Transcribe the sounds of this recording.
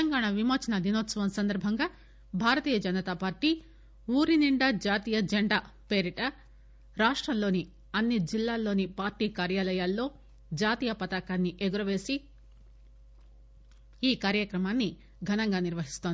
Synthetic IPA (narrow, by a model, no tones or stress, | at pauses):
t̪ɐŋɡaːɳaʋimoːt͡ʃɐnɐd̪inoːt̪sɐʋɐmsɐnd̪ɐɾbʱɐŋɡaː | bʱaːɾɐt̪iːjɐd͡ʒɐnɐt̪aːpaːɾʈi | uːɾiniɳɖɐd͡ʒaːt̪iːjɐd͡ʒeɳɖaː | pe̞ːɾiʈɐ | ɾaːʂʈɾɐmlo̞ːni | ɐnːid͡ʒilːaːlːo̞ːnipaːɾʈiːkaːɾjaːlɐjaːlːo̞ː | d͡ʒaːt̪iːjɐpɐt̪aːkaːnːiʔeɡuɾɐʋe̞ːsi | kaːɾjɐkɾɐmaːnːi | ɡʱɐnɐŋɡaːniɾʋɐɦist̪oːnd̪i